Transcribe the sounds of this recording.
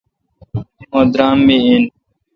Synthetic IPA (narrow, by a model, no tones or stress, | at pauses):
õːd̪ɾaːmːiiːn